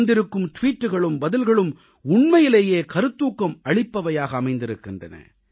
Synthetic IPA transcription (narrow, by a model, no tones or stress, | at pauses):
nd̪ɪɾɯkːɯmʈʊʋiːʈːɯɣɐɭɯmbɐðɪlɣɐɭɯm | ʊɳmɐjɪleːjeːkɐɾɯt̪ːuːkːɐmɐɭɪpːɐʋɐjaːɣɐːmɐɪnd̪ɪɾɯkːɪndrɐnɐ̰